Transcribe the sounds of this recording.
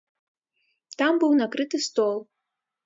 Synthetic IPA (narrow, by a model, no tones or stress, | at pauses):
tambɨwnakrɨtɨstolˠ